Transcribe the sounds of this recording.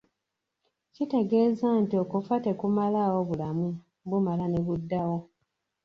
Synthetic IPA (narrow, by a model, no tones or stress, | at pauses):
cite̞ɡe̞ːzantio̞kufate̞kumalawo̞βulamu | bumalaneβudːawo̞